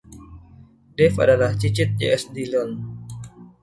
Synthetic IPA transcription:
dɛfa̰dalaht͡ʃit͡ʃɪt̪̚d͡ʒeɛsdilɔn

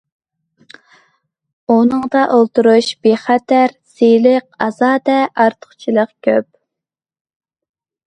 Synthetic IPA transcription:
unɨŋd̪ɑʔolˠt̪uɾuʃb̥eχæt̪ʰæɾsilɪq̚ɑz̥ɑːd̪ɛʔɑɾt̪ʰə̥χt͡ʃʰilˠəqkʲʰøp̚

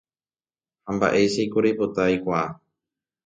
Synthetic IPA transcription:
hamba̰ʔe̞jʃejkoɾejpot̪ajkʷaa

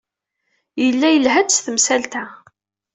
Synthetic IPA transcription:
jəlːæjəlɦæt͡sːθəmsælt̪æ

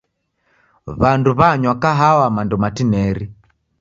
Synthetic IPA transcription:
βanduβaɲwakaɦawamandɔmatinɛɾi

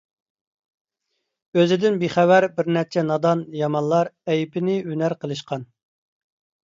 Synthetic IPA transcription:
øzɪd̪ɪnbiχæwæɾbɪɾnɛt͡ʃʰɛnɑd̪ɑnjɑmɑnlˠɑɾɛjpʰɪnɪynæɾqʰəlˠɨʃqʰɑn

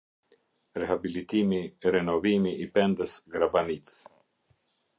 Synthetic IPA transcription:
ɾeɦabilit̪imiɾenovimiʔːpɛnd̪əsɡɾabanit̪s

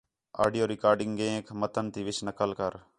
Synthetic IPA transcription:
a̰ːɖijoːɾɪkaːɾɖɪŋɡẽːkʰmət̪ʰənt̪iːʋɪʃnəkəlkəɾ

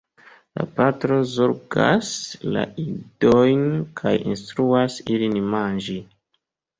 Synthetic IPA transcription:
la̰patɾo̞zoɾɡa̰sla̰idojnkʰajḭnstɾuasilinmand͡ʒi

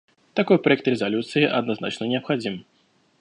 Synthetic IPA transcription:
t̪akɔjpɾɐjɛk̚t̪rʲɛzalʲut̪sɨjiʔɐd̪nazna̰t͡ʂnɐnʲɛɐpxad͡zʲim

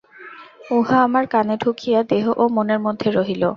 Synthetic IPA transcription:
uɦaamaɾkaneɖʱukʰijad̪eɦoʔomoneɾmod̪ʱːeɾoɦilo

